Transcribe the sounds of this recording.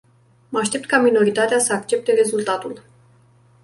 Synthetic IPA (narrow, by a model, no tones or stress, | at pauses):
məaʃt̪e̞pt̪̚kamino̞ɾit̪at̪easəak̚t͡ʃe̞p̚t̪e̞re̞zult̪at̪ul